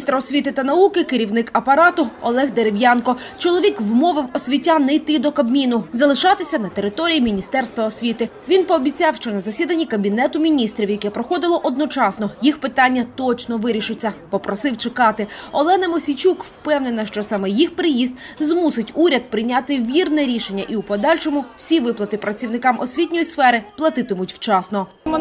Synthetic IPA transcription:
ist̪ɾɐɔsʲʋʲit̪ɪt̪ɐnɐukɪkɪɾʲiwnɪkɐpɐɾɑt̪ʊɔ̰lˠɛɣd̪eɾewjɑnkɔt͡ʃɔlˠɔʋʲikwmɔʋɪwɔsʲʋʲitʲanɛjt̪ɪd̪ɔkɐbmʲinʊzɐlˠɪʃɑt̪ɪsʲɐnɐt̪eɾɪt̪ɔɾʲijimʲinʲist̪ɛrst̪ʋɐɔsʲʋʲit̪ɪ | ʋʲinpɔːbʲit͡sʲɑwʃt͡ʃɔnɐzɐsʲid̪ɐnʲːikɐbʲinɛt̪ʊmʲinʲist̪ɾʲiwjɐkɛpɾɔxɔd̪ɪlˠɔʔɔd̪nɔt͡ʃɑsnɔjixpɪt̪ɑnʲːɐt̪ɔt͡ʃnɔʋɪɾʲiʃɪt͡sʲːɐpɔpɾɔsɪwt͡ʃɪkɑt̪ɪɔlˠɛnɐmɔsʲit͡ʃʲukwpɛwnenɐʃt͡ʃɔsɑmɛjixpɾɪjizd̪zmusɪtʲuɾʲɐd̪̚pɾɪjnʲɑt̪ɪʋʲirnɛɾʲiʃe̞nʲːɐʔiupɔd̪ɑlʲʃɔmʊwsʲiʋɪplˠɐt̪ɪpɾɐt͡sʲiwnɪkɑmʔɔsʲʋʲitʲnʲɔjisfɛɾɪplˠɐt̪ɪt̪ɪmʊtʲw̥t͡ʃɑsnɔ

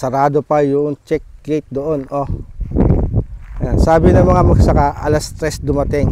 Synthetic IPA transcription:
sɐɾaːd̪opɐjʊʔoŋt͡ʃɛk̚ɡejt̪̚d̪oʔonʔo | ɡɐjansaːbɪnɐŋmɐŋamɐɡsɐkaʔɐ̰last̪ɾɛsd̪ʊmɐt̪ɪŋ

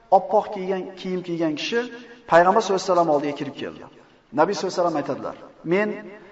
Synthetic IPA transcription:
ɒpʰːɒqkʲʰeɡʲankʲʰijɪmkʲʰeɡʲankʲʰɪ̥ʃɪpʰajʁɑmbaɾsɵlɪsalamɒlˠd̪ɪɡʲakʰʲɪɾɪp̚kʲʰe̞̰ld̪ɪ̰ | nabijsolsalamajt̪ʰad̪ɪla̰ɾme̞n

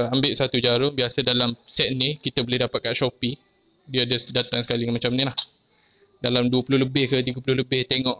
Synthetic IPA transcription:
ambɪʔsat̪ud͡ʒaɾʊŋbiasədalamsɛʔ̪̚nikit̪əbolɪhdapat̪̚kaʔʃopi | diaːdəsdat̪aŋsə̥kaliŋmat͡ʃamnilah | dalamduəpulʊləbɪhkət̪iɡapulʊhləbɪht̪eŋɔ̃ʔ

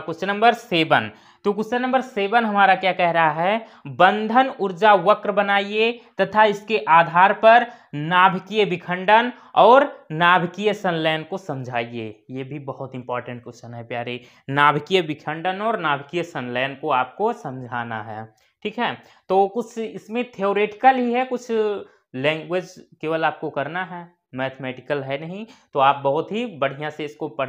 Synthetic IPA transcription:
kʊt͡ʃʰnə̃mbəɾseːbən | t̪okʊsənə̃mbəɾseːbənɦɐmaːɾakjakɛɦɾəɦaɦɛ | bə̃nd̪ʱənʊɾd͡ʒaʋəkɾbənaːiet̪ɐt̪ʰaɪskeʔaːd̪ʱaːɾpɐɾ | naːbʱkijəbɪkʰə̃ɳɖən | ɔːɾnaːbʱkijəsənləjənkosɐmd͡ʒʱaːiḛjebʱibəɦʊt̪ɪ̃mpɔːɾʈə̃ɳʈ̚kʊʃənɦɛ̃pjaːɾe | naːbʱkijebɪkʰə̃ɳɖənɔːɾnaːbʱkijəsənlɛːnkoaːp̚kosɐ̃md͡ʒʱaːnaɦɛː | ʈʰiːkɦɛː | t̪oːkʊt͡ʃʰɪsmẽt̪ʰeoːɾeːʈɪ̥kəlɦiɦɛkʊt͡ʃʰ | lɛ̃ːŋɡwed͡ʒkeːʋəlaːp̚kokɐɾnaɦɛː | mɛːt̪ʰmɛːʈɪkəlɦɛnɐɦĩt̪oaːp̚bɐɦʊt̪ɦibɐɽ̤ijãseɪskopɐ

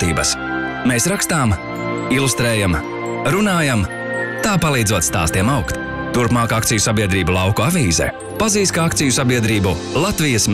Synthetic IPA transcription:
t̪iːbɐs | mesɾakst̪aːm | ilˠust̪ɾeːjam | ɾunaːjam | t̪aːpalˠiːd̪zuɔt̪st̪a̰ːst̪iɛmawkt̪ | t̪uɾpmaːkakt̪sijusabiɛd̪ɾiːbulˠawkuavʲiːzɛ̰ | paziːskaak̚t̪sijusabiɛd̪ɾiːbu | lˠat̪vijas

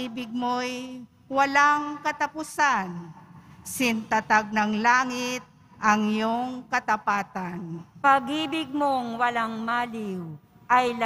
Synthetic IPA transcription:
iːbɪɡ̚moj | wɐlaŋkɐt̪ɐpʊsan | sɪnt̪at̪aɡ̚nɐŋlaːŋɪt̪̚ | ʔɐŋjoŋkɐt̪ɐpaːt̪anpɐɡiːbɪɡ̚moŋwɐlaŋmaːlɪw | ʔɐjl

